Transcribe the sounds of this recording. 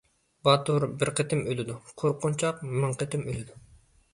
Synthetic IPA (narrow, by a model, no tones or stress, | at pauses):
bɑt̪uɾbɪɾqʰət̪ʰɪmølɪd̪uqʰoɾqʊnt͡ʃʰɑq̚mɨɴqʰət̪ʰɪmølɪd̪u